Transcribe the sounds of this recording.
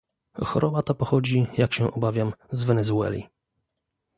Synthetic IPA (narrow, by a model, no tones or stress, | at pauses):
xɔ̰ɾʔɔbat̪apɔxɔd͡ʑijakɕɛʔɔbavʲjamzvɛnɛzuɛ̰lʲḭ